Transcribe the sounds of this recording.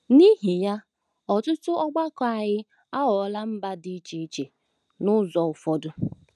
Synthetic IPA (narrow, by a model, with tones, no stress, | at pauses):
ni˦ɦi˨ja˦ | ɔ˨tʊ˦tʊ˦ʔɔ˦ɡ͡ba˦kɔ˨a˨ɲɪ˦ | a˦ɦɔ˨˦la˦m̩˦ba˦di˦t͡ʃe˨i˦t͡ʃe˨ | nʊ˦zɔ˨ʊ˨fɔ˦dʊ˦